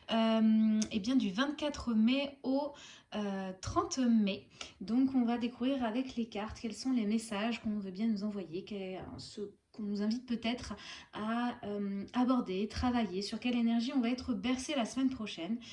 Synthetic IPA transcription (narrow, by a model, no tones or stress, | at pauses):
ømebjɛ̃d̪yvɛ̃t̪kʲat̪χəmeoøt̪χɑ̃t̪me | d̪ɔ̃kɔ̃vad̪ekuvʁiʁavɛklekʲaʁt̪kʲɛlsɔ̃lemesaʒkɔ̃vøbjɛ̃nuzɑ̃vwajekɛsə | kɔ̃nuzɛ̃vit̪̚pøt̪ɛt̪χaømːbɔʁd̪et̪χavajesyʁkʲɛlenɛʁʒiɔ̃vaɛt̪χəbɛʁselasəmɛnpχɔʃɛn